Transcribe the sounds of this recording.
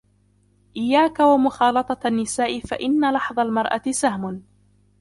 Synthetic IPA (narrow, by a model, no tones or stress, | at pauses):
ʔɪjːaːkawamʊxɑːlɑt̪ˤɑnːɪsaːʔɪfaʔɪnːalɑħðˤɑlmɑɾˤʔa̰t̪ɪsahmʊn